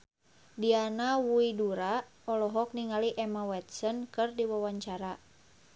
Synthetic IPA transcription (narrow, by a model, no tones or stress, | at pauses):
dianawuiduɾa | ɔlɔɦɔk̚niŋaliʔɛmawɛt̪̚sɔnkɨrdiwawaɲt͡ʃaɾa